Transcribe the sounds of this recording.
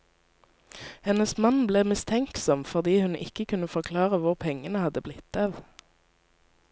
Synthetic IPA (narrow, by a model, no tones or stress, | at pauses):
hɛnəsmɑnbleːmɪst̪ʰɛŋksɔmfɔʁd̪iːhʉnɪ̰kəkʰʉnəfɔʁkʰlɑːʁəʋʊʁpʰɛŋənəhɑd̪əblɪt̪ːɑːʋ